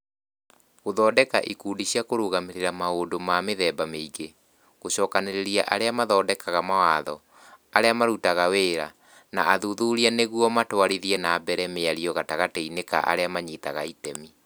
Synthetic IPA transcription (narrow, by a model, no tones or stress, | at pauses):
ɣoðɔːdɛkaʔikuːdiɕiakoɾuɣameɾeɾamaoːdomameðɛːbameiɡe | ɣoɕɔːkaneɾeɾiaʔaɾeamaðɔːdɛkaɣamawaːðɔ̰ | aɾeamaɾutaɣaweːɾa̰ | naʔaðuðuɾianeɣuɔmatwaɾiðiɛnaːbɛɾɛmeaɾiɔɣataɣateineka̰ʔa̰ɾeamaɲitaɣa̰itɛmi